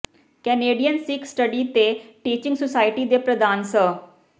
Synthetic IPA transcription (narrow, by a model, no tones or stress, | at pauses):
kɛːneːɖijənsɪksʈəɖiːt̪eʈiːt͡ʃɪ̃ŋɡsosaːɪʈiːd̪epɾəd̪aːnsə